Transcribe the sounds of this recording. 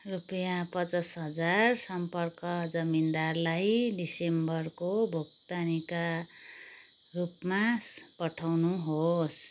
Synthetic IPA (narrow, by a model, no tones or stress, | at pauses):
rupʌjapʌt͡sʌsɦʌd͡zarsʌmpʌrkʌd͡zʌmind̪arlajɖisembʌrkobʱuk̚t̪anika | rupmapʌʈʰawnuɦos